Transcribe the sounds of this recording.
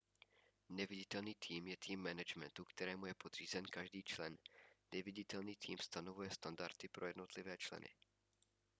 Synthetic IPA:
nɛvɪɟɪt̪ɛlniːt̪ʰiːmjɛt̪ʰiːmːɛnɛd͡ʒmɛ̰nt̪ukt̪ɛɾɛːmujɛpo̞d̪r̝̥iːzɛnkaʒdiːt͡ʃlɛnːɛvɪɟɪt̪ɛlniːt̪ʰiːmst̪ano̞vujɛst̪andaɾt̪ɪpɾo̞jɛdno̞t̪lɪvɛːt͡ʃlɛ̰nɪ̰

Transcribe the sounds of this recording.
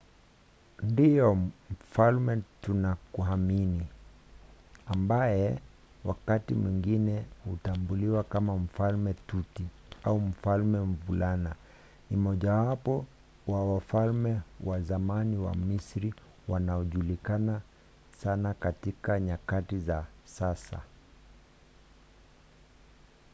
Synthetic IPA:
ndijɔm̩falmɛtunakuɦamini | ambajɛ | wakatimwiŋɡinɛhutambuliwakamam̩falmɛtuti | aum̩falmɛm̩vulana | nimɔʄawapɔ | wawafalmɛwazamaniwa̰misɾi | wanaɔʄulikana | sanakatikaɲakatizasasa̰

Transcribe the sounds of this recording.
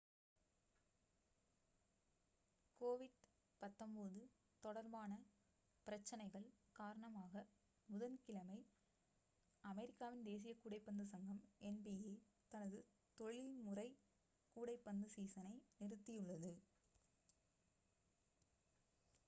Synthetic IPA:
koːʋɪɽ | pɐt̪ːɐmboːðɯ | t̪ɔɽɐɾbaːnɐ | pɪɾɐt͡ʃːɐnɐɪɣɐɭkaːɾɐɳɐmaːɣɐ | mʊðɐnkɪlɐmɐɪ | ɐmɛɾɪkːaːʋɪnd̪eːs̬ɪjɐkuːɽɐɪpːɐnd̪ɯsɐŋɡɐmɛnbijeː | t̪ɐnɐðɯ | t̪ɔɭɪlmʊrɐɪ | kuːɽɐɪpːɐnd̪ɯsiːsɐnɐɪnɪrɯt̪ːɪjɯɭːɐðɯ

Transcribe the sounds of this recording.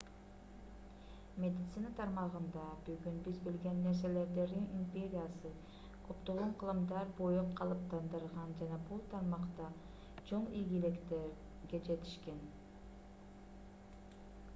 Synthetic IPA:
mʲe̞d̪ʲɪt̪sinat̪ʰɑɾmɑʁɯnd̪ɑbyɡynbizbilɡe̞nːe̞ɾse̞le̞ɾd̪e̞ɾd̪inimpʲe̞ɾʲijasɯ | kʰøpt̪olˠuɴqʰɯlˠɯmd̪ɑɾbojoqqʰːɑlˠɯp̚t̪ʰɑnd̪ɯɾʁɑnd͡ʒɑnɑbulˠt̪ʰɑɾmɑqt̪ɑ | t͡ʃʰo̞ɴijɡʲilekt̪eɾ | ɡed͡ʒe̞t̪ʰi̥ʃke̞n

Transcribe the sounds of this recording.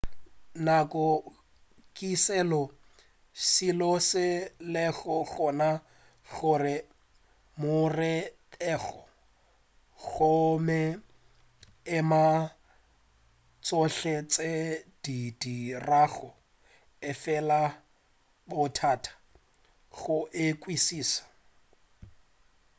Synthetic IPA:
nakʼɔ | kʼisɛlɔ | silɔsɪlɛɣɔɣɔna | ɣʊrɪ | mʊrɪtʼɛːɣɔ | ɣʊmɛ | ɪma | t͡sʼɔɬet͡sʼed̥idiraɣʊ | ɪfɛla | bʊtʰatʰḁ | ɣʊʔɪkʼwisiːsḁ

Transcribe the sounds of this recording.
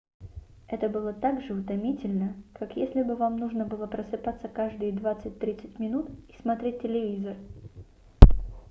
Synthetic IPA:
ɛt̪əbɨlˠət̪aɡʐɨʊt̪ɐmʲitʲɪlʲnəkakjesʲlʲɪbɨvamnuʐnəbɨlˠəpɾəsɨpat̪səkaʐd̪ɨjd̪vat̪sɨt̚ʲt̪ɾʲit̪sɨ̥tʲmʲɪnut̪ismɐt̪ɾʲet̚ʲːɪlʲɪvʲizər

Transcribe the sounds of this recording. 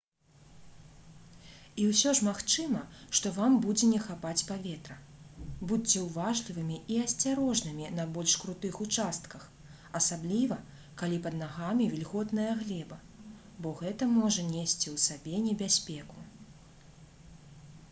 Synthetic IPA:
iwsʲɔʐmaxt͡ʂɨmɐʂt̪ɔvambud͡zʲɛnʲɛxapat͡sʲpavʲɛt̪ɾɐbut͡sːʲɛwvaʐlʲivɨmʲiiɐsʲt͡sʲaɾɔʐnɨmʲinɐbɔlʲʂkɾut̪ɨxut͡ʂast̪kɐx | ɐsablʲivɐ | kalʲipɐd̪naɣamʲivʲilʲɣɔt̪nɐjɐɣlʲɛbɐ | bɔɣɛt̪ɐmɔʐɐnʲesʲt͡sʲiwsabʲɛnʲɛbʲasʲpʲɛku

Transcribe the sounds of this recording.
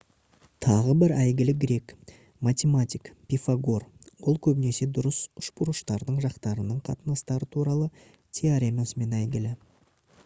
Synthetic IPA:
t̪ʰɑʁəbɪɾæjɡʲɪlɪɡʲɾe̞k | mat̪ʲemat̪ʲikpʲifaɡo̞rwo̞lˠkʲʰɵbɪne̞se̞d̪ʊɾəsʊ̥ʃbʊɾəʃt̪ɑɾd̪əɴʒɑqt̪ɑɾənəɴqʰɑ̰t̪ənɑst̪ɑɾət̪ʰuɾɑlˠə | t̪ʲʰeaɾʲemosəme̞næjɡʲɪlɪ

